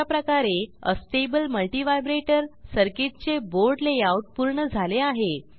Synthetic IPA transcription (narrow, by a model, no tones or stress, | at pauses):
apɾəkaɾeə̰sʈebəlməlʈiʋajbɾeʈəɾsəɾkit̚t͡seboɾɖlejauʈ̚puɾɳəd͡zʱaleaɦe